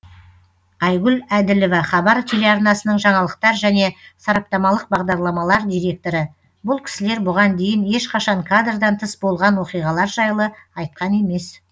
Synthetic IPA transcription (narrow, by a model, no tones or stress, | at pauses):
ɑjɡʲʏlæd̪ɪlɪvɑχɑbɑɾt̪ʰe̞leɑɾnɑsənəɴʒɑɴɑlˠəq̚t̪ɑɾʒæne̞sɑɾɑp̚t̪ɑmɑlˠəq̚bɑʁd̪ɑɾlˠɑmɑlˠɑɾd̪ʲijɾe̞k̚t̪o̞ɾə | bʊlˠkʲʰɪ̥sɪle̞ɾbʊʁɑnd̪e̞jɪne̞ʃqɑʃɑɴkʰad̪rd̪ɑnt̪ʰəsbo̞lˠʁɑnwo̞qijʁɑlˠɑɾʒɑjlˠəɑjt̪̚qɑne̞me̞s